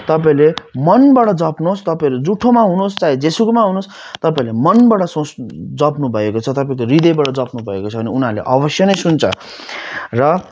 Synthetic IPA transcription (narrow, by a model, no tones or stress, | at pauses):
t̪ʌpaĩlemʌnbaʈʌd͡zʌpnost̪ʌpãĩled͡zuʈʰomaɦunost͡said͡zesukmaɦunos | t̪ʌpaĩlemʌnbaɽʌsõsd͡zʌpnubʱʌekot͡sʰʌt̪ʌpaĩkoɾid̪ʌjbaʈʌd͡zʌpnubʱʌḛkot͡sʰʌbʌniunalḛʔʌbʌsjʌnʌjsunt͡sʰʌ̰ | rʌ